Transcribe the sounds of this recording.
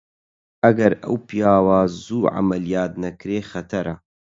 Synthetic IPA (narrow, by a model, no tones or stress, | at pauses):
ʔɐɡɐɾɐ̰wpijaːwaːzuːʕa̰mɐlijaːt̪̚nɐkɾeːxɐt̪ʰɐɾʔa